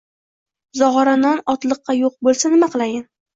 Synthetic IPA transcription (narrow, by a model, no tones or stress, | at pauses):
zɒʁɒɾanɒnɒt̪lˠɨqːɑjoq̚bolˠsanɪmaqɨlˠajɪn